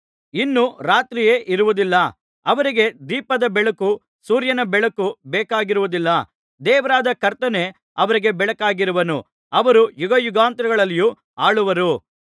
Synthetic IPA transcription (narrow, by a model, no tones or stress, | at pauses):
inːuɾaːt̪ɾije̞ːʔiɾuʋud̪ilːɐ | ɐʋɐɾiɡe̞d̪iːpɐd̪ɐbɛɭɐku | suːɾjɐnɐbɛɭɐkubɛːkaːɡiɾuʋud̪ilːɐ | d̪ɛːʋɐɾaːd̪ɐkɐɾt̪ɐne̞ | ɐʋɐɾiɡe̞bɛɭɐkaːɡiɾuʋɐnu | ɐʋɐɾujuɡɐjuɡaːnt̪ɾɐɡɐɭɐlːiju | aːɭuʋɐɾu